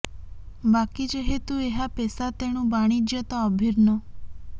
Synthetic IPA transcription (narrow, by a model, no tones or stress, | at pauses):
bakid͡ʒeɦet̪ueɦapɛsat̪eɽ̃ũbaɽ̃id͡ʒjət̪ɔːbʱiɾnɔ